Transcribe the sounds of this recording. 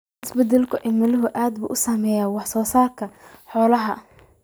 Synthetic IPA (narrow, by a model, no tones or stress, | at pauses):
ʔɪsbɛd̪ɛlkʰʊʔɪmɐlɪɦʊʔaːd̪̚bṵːʔʊsaːmɛːjaːwɑħsɔːsaːrkʰɐħɔːlɐɦɐ